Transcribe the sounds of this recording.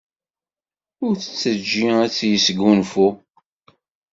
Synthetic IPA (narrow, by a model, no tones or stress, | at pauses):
ʊɾθə̥t͡sːəd͡ʒːiæt͡sːjəsɡunfu